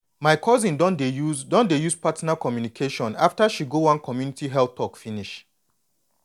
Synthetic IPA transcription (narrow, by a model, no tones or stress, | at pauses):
maɪkʰɔzĩndɔndeudɔ̃ndejuzpatnakɔmjunikʰeʃɔ̃naftaʃiɡowãnkʰɔmjunitiɦɛlθtʰɔkfiniʃ